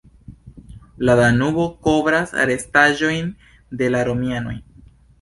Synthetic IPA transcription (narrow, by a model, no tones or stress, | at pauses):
ladanubo̞ko̞bɾasa̰ɾe̞staʒo̞jn | de̞laɾo̞miano̞̰j